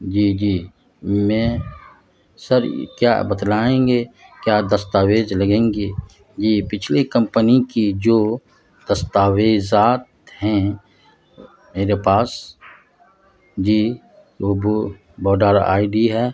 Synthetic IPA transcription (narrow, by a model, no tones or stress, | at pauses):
d͡ʒiːd͡ʒiː | mẽː | səɾkja̰ːbət̪laːẽːŋɡeːkjaːd̪əst̪aːweːzlɐɡẽːŋɡeː | d͡ʒiːpɪt͡ʃʰlekə̃mpənikid͡ʒoː | d̪̥ɐst̪aːweːzaːt̪ | hɛ̃ | meːɾepaːs | d͡ʒiː | ob | bɔːɖaːɾa̰ːɪɖiɦɛ